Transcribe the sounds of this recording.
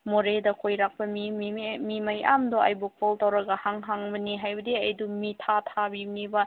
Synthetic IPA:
moɾedɐkʰojɾak̚pɐmimimaja̰mdoa̰jbukʰoltawɾɐɡɐhaŋɦaŋbɐniɦajbɐdeɐjdumitʰatʰabinibɐ

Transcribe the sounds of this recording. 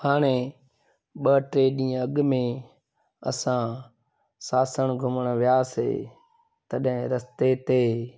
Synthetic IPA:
haːɳ̃eː | ɓəːʈɾeːɗĩːəɡmẽː | ə̰sãː | saːsəɳɡʱʊməɳʋɪjaːsḛː | t̪əɗɦɪ̃ɾəst̪eːt̪eː

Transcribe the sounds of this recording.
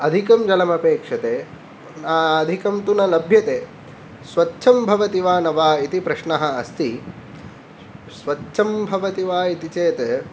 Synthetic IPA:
ɐd̪ʱikɐmd͡ʒɐlɐmɐpeːkʂɐt̪eː | naːɐd̪ʱikɐmt̪unɐlɐbʱjɐt̪eː | sʋɐtːʃʰɐmbʱɐʋɐt̪iʋaːnɐʋaːit̪ipɾɐʃɳɐɦɐ̆ɐst̪i | sʋɐtːʃʰɐmbʱɐʋɐt̪iʋaːit̪it͡ʃeːt̪e

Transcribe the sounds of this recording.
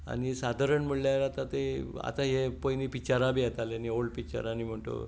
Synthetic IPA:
a̰ñisad̪ʱaɾəɳm̤əɭljaɾat̪at̪ea̰t̪aɦepojnipit͡ɕaɾabijet̪alenioɭpit͡ɕa̰ɾanim̤əɳt̪o̰

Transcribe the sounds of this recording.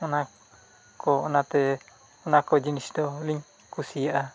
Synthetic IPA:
ɔna | kɔɔnat̪ɛ | ɔnakɔd͡ʒinisdɔliɲ | kusijaʔa

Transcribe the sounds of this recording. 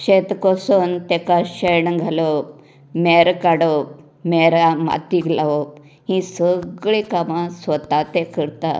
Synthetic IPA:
ɕet̪kɔsont̪ekaɕəjɳɡʱalo | meɾkaɽo | meɾama̰t̪iklaʋop | hĩsəɡɭẽkamãsʋət̪at̪ekəɾt̪a̰

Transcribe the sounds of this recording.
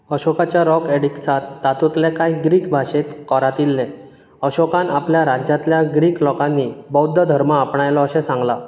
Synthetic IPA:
əɕɔkat͡ɕjaɾɔkeɽiksat̪ːat̪ut̪lɛkajɡɾiːkbʱaɕet̪kɔɾat̪ilːɛ̃ | əɕɔkãnapljaɾad͡ʑjat̪ljaɡɾiːklɔkãnːibɔwd̪ʱːəd̪ʱəɾmaːpɳajlɔːɕɛ̃sãŋɡla

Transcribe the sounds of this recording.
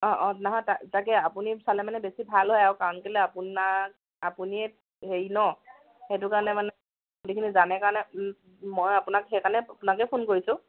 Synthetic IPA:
ɔ̃ʔɔ̃naɦɔ̃tatakɛapunisalɛmanɛbesibʱalɦɔjawkaŋkelɛapunak̚ | apuniɛ | ɦeɹinɔ | hetʊkaɔnɛmanɛ | udikʰinizanɛkaɹɔnɛ | mojapʊnakɦɛkanɛapʊnakɛpʰonkoɹisʊ̃

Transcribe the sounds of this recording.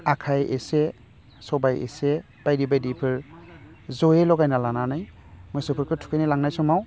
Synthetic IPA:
akʰajḛse | sɔbajḛse | b̥ajdibajdipʰɯɾ | zɔjelɔɡajnalananaj | mɔjsɯpʰɯɾkʰɯtʰu̥kʰɯjnilaŋnajsɔmaw

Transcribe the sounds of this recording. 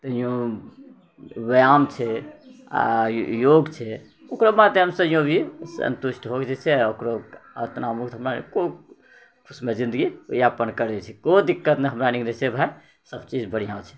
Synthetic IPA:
t̪əijõ | ʋəjamt͡ʃʰɛa̰joɡt͡ʃʰɛ | okɾomat̪eɦəmsəjõbʱisə̰nt̪uʃʈʰɦoɡd͡ʒet͡ʃʰɛokɾoə̰t̪namukt̪ɦəmɾanḭko | kʰusmed͡ʒĩnd̪əɡijapənkəɾet͡ʃʰɛkod̪ikːət̪neɦəmɾaniknesebʱaj | səbt͡ʃid͡ʒbəɽ̤ijãt͡ʃʰɛ̥

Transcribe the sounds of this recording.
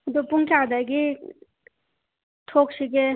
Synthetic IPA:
d̪ɔpuŋkad̪aɡi | tʰok̚siɡe

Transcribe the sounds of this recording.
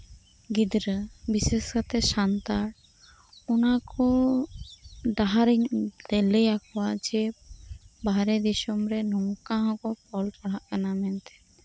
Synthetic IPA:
ɡid̪ɾəbiseskat̪ɛsant̪aɾ | ɔnakɔ | ɖaɦaɾiɲt̪ɛlɛjakɔwad͡ʒɛ | baɾɛd̪isɔmɾɛnɔŋkãɦɔ̃kɔpɔlpaɽ̤aʔkanamɛnt̪ɛ̥

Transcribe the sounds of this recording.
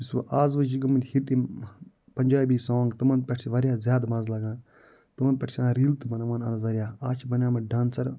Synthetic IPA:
isɐ̰ʔaːzʋɐd͡ʒiɡɐmɐnd̪ʲhiʈ̪i | pɐɲʲd͡ʒaːbiːsãːŋɡt̪ɐmɐn̚pʲɛʈʰsiʋɐɾjaːzʲjaːd̪maːzlɐɡãːn | t̪umɐnpʲɛʈʰsʲãːɾiːlt̪ɨmɐnɐʋaːnɐnɐzɐɾʲjaːaːt͡ʃʰibɐnʲjãːmɐɖãːnsɐɾ

